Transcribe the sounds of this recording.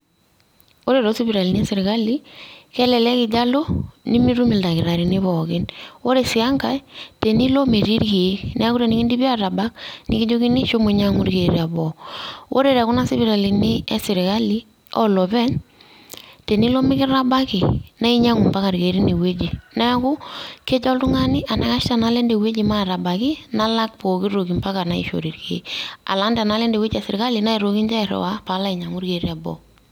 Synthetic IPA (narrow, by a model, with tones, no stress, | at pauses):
wo˦ɾe˨ɾo˦si˦βi˨ɾa˨li˨ni˦ɛ˦sɪ˨ɾɪ˨ka˦li˦kɛ˦lɛ˨lɛ˦kɪ˨ɟa˦lo˦ni˦mi˦ɾu˦mɪ˨lda˨kɪ˨ɾa˨ɾi˨nɪ˦βɔ˨kɪ˦nwo˦ɾe˨sɪ˨a˦ŋka˨te˨ni˦lo˦me˨ɾi˦ɾki˨e˦knɛ˦a˦ku˦ɾa˨nɪ˦kɪ˦ndi˦bi˦a˦ɾa˨ba˦knɪ̰˦ki˦d͡ʒo˦ki˦ni˦ʃo˦mo˨ɲa˦ŋu˦ɾke˨ɾia˨bɔ˨wʔo̰˦ɾe˦˨ɾa˨kʊ˦na˦si˦βi˦ɾa˨li˨nɪ˦ɛ˦sɪ˨ɾɪ˨ka˦li˦ | ɔ˦lɔ˨pɛ˦n | te˨ni˦lo˦mɪ˦kɪ˦ɾa˦ba˦kɪ˨na˦i˦ɲa˦ŋu˨mpa˦ka˨ɾɡe˨ɾi˦ni˨we˦d͡ʒi˨na˦kʊ˦ke˦t͡ʃɔ˦ltʊ˦ŋa˦nɪ˦ʔa˨na˦ka˦ʃta˨na˦le˦nde˨we˦d͡ʒi˨ma˦˨ɾa˨ba˨kɪ˦na˦la˦k̚po˨ki˦ɾo˨ki˨mpa˦ka˨na˦ḭ˨ʃo̰˨ɾi˨ɾkḛ˨a̰˨la˨˦nda˨na˦le˦nde˨we˦d͡ʒa˨sɪ˨ɾɪ˨ka˦li˨na˦i˨ɾo˨ki˦ɲd͡ʒa˦ɪ˨ɾɛ̰˨wa˦pa˨˦la˦i˨ɲa˨ŋu˦ɾɡe˨ɾi˦a˨bɔ̰˦